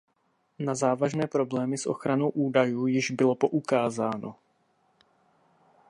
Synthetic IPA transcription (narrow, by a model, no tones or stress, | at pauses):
nazaːvaʒnɛːpɾo̞blɛːmɪsʔo̞̰xɾano̞wʔuːdajuːjɪʒbɪlo̞po̞ʔukaːzaːno̞̰